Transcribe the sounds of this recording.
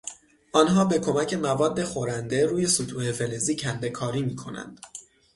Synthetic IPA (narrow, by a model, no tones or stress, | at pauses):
ʔɒːnɦɒːbe̞kʰo̞mæcʰe̞mævɒːd̪ːe̞xo̞ɾænd̪e̞ɾuːje̞sut̪ʰuːhe̞fe̞le̞ziːcʰænd̪e̞kʰɒːɾiːmiːkʰo̞næ̰nd̪̥